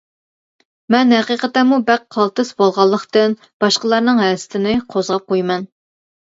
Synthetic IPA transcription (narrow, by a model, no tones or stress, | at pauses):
mɛnhɛqiqət̪ɛmubæqqʰːɑlˠt̪ɨsbolˠʁɑlˠːəχt̪ɨn | b̥ɑʃqəlˠɑɾnɨŋɦɛsɪ̥t̪ʰɪnɪqʰozʁɑp̚qʰojmɛn